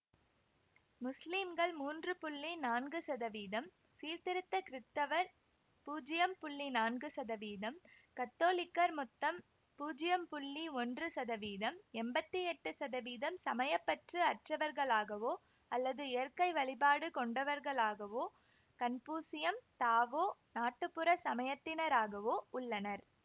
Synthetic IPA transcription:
mʊslimɡɐɭmuːndrɯpʊɭːinaːnɡɯsɐðɐʋiːðɐm | siːɾt̪ɪɾɯt̪ːɐkɪɾɪt̪ːɐʋɐɾ | puːd͡ʒɪjɐmpʊɭːinaːnɡɯsɐðɐʋiːðɐmkɐt̪ːoːlɪkːɐɾmʊt̪ːɐm | puːd͡ʒɪjɐmpʊɭːiɔndrɯsɐðɐʋiːðɐmɛmbɐt̪ːiɛʈːɯsɐðɐʋiːðɐmsɐmɐjɐpːɐʈrɯɐʈrɐʋɐɾɣɐɭaːɣɐʋoː | ɐlːɐðɯɪjɐɾkɐɪʋɐɭɪbaːɽɯkɔɳɖɐʋɐɾɣɐɭaːɣɐʋoː | kɐnpuːsɪjɐmt̪aːʋoːnaːʈːɯpːɯɾɐsɐmɐjɐt̪ːɪnɐɾaːɣɐʋoːʊɭːɐnɐɾ

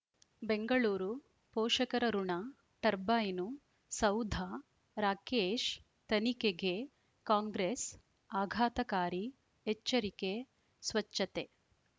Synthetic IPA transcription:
beŋɡɐɭuːɾu | pɔːʂɐkɐɾɐɾuɳa | ʈɐɾbaːjinu | sɐwd̪ʱa | ɾaːkeːʃ | t̪ɐnikeɡe | kaːŋɡɾeːs | aːɡʱaːt̪ɐkaːɾi | et͡ʃːɐɾike | sʋɐt͡ʃːɐt̪e

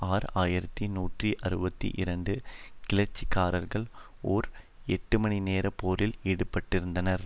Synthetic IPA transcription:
aːɾaːjɪɾɐt̪ːinuːʈriʔɐɾɯbɐt̪ːḭʔɪɾɐɳɖɯkɪlɐɾt͡ʃːikːaːɾɐɾɣɐɭoːɾɛʈːɯmɐɳineːɾɐpːoːɾɪliːɽɯpːɐʈːɪɾɯnd̪ɐnɐɾ

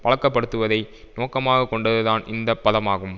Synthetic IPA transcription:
ʋɐɭɐkːɐpːɐɽɯt̪ːɯʋɐðɐɪ | noːkɐmaːɣɐkːɔɳɖɐðɯðaːnɪnd̪ɐpːɐðɐmaːɣɯm

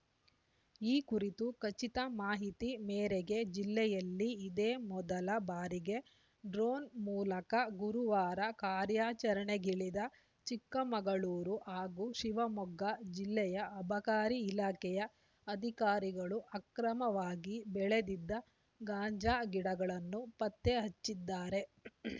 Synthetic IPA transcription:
iːkuɾit̪ukɐt͡ʃit̪ɐmaːɦit̪imeːɾeɡe̞d͡ʒilːɛjɐlːiːd̪eːmɔd̪ɐlɐbaːɾiɡe̞ | ɖɾoːnmuːlɐkɐɡuɾuʋaːɾɐkaːɾjaːt͡ʃɐɾɐɳeɡiɭid̪ɐ | t͡ʃikːɐmɐɡɐɭuːɾuʔaːɡuʃiʋɐmɔɡːɐd͡ʒilːɛjɐʔɐbʱɐkaːɾiːlaːkɛjɐ | ɐd̪ʱikaːɾiɡɐɭuʔɐkɾɐmɐʋaːɡibɛɭed̪id̪ːɐ | ɡaːɲd͡ʒaːɡiɽɐɡɐɭɐnːupɐt̪ːeɦɐt͡ʃːid̪ːaːɾe̞

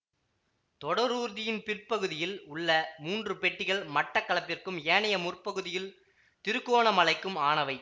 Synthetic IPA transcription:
t̪ɔɽɐɾuːɾðɪjɪnpɪrpɐɣɯðɪjɪlʊɭːɐmuːndrɯpɛʈːɪɣɐɭmɐʈːɐkːɐɭɐpːɪrkɯmeːɳɐjɐmʊrpɐɣɯðɪjɪl | t̪ɪɾɯkːoːɳɐmɐlɐɪkːɯmaːɳɐʋɐɪ

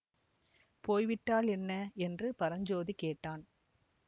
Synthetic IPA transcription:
poːjʋɪʈːaːlɛnːɐɛndrɯpɐɾɐɲd͡ʒoːðikeːʈːaːn

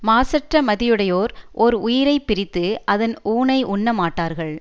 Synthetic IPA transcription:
maːsɐʈrɐmɐðɪjɯɽɐjoːɾʔɔɾʊjɪɾɐɪpɪɾɪt̪ːɯʔɐðɐnuːnɐɪʔʊɳːɐmaːʈːaːɾɣɐɭ

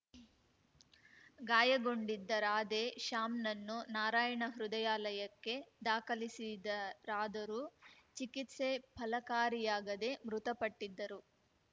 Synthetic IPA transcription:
ɡaːjɐɡo̞ɳɖid̪ːɐɾaːd̪eʃaːmnɐnːunaːɾaːjɐɳɐɦɾud̪ɐjaːlɐjɐkːe̞d̪aːkɐlisid̪ɐɾaːd̪ɐɾut͡ʃikit̪se̞pʰɐlɐkaːɾijaːɡɐd̪e̞mɾut̪ɐpɐʈːid̪ːɐɾu

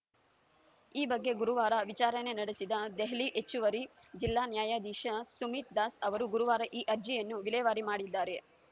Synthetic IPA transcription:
iːbɐɡːe̞ɡuɾuʋaːɾɐʋit͡ʃaːɾɐne̞nɐɽesid̪ɐd̪eɦliʔet͡ʃːuʋɐɾid͡ʒilːaːnjaːjaːd̪iːʃɐsumiːt̪̚d̪aːsɐʋɐɾuɡuɾuʋaːɾɐʔiːʔɐɾd͡ʒijɐnːuʋilɛːʋaːɾimaːɽid̪ːaːɾe̞

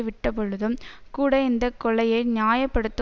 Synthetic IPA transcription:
ɯʋɪʈːɐpɔɭɯðɯmkuːɽɐɪnd̪ɐkːɔɭɐjɐɪnɪjaːjɐpːɐɽɯt̪ːɯ

